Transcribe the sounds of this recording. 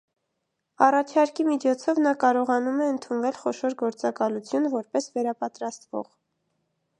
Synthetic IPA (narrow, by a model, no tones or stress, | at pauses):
ɑrɑt͡ʃʰɑɾkimit͡ʃʰɔt͡sʰɔvnɑkɑɾɔʁɑnumɛənt̪ʰunvɛlχɔʃɔɾɡɔɾt͡sɑkɑlut͡sʰjunvɔɾpɛsvɛɾɑpɑt̪ɾɑst̪vɔ̰ʁ